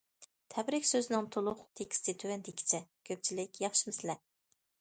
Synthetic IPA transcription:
t̪ʰɛbɾɪkʲsøzɪnɪŋt̪ʰolˠʊχt̪ʰekʲi̥st̪ɪt̪ʰøwɛnd̪ekʲʰi̥t͡ʃʰɛkʲʰøp̚t͡ʃʰilɪkʲjɑχʃimɪslɛ

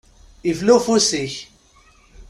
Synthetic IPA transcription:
ivlufusiç

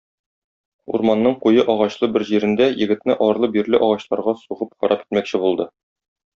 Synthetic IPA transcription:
ṵɾmɑnːɤɴqujɤʔɒʁɑɕlˠɤbɘɾʑiɾɘ̆nd̪æjɘ̆ɡɘ̆t̪nɘʔɒɾlˠɤbiɾlɘʔɒʁɑɕlˠɑɾʁɑsuʁɤp̚qɒ̰ɾʔɑp̚ki̥t̪mækɕɘbulˠd̪ɤ

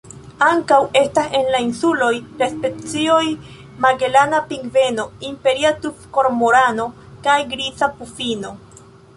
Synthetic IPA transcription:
aŋkawe̞stase̞nlainsulo̞jɾespe̞t͡sio̞j | maɡe̞lanapiŋɡve̞no̞impe̞ɾiatufko̞ɾmoɾano̞ | kajɡɾit͡sapufino̞

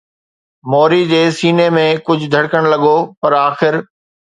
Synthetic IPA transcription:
moːɾid͡ʑeːsiːnemẽkʊd͡ʑʱʊd̪ʱɐɽkəɽ̃lɐɠopɐɾaːxɪɾ

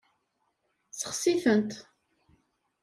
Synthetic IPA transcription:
sə̥χsiθənt̪

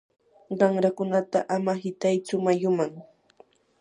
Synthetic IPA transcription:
ɢɑŋɾakʊnat̪aʔamahɪt̪ajt͡sʊmajʊmaŋ

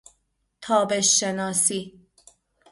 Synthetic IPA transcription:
t̪ʰɒːbeʃːenɒːsiː

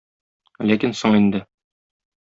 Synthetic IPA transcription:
lækinsoɴind̪ɘ

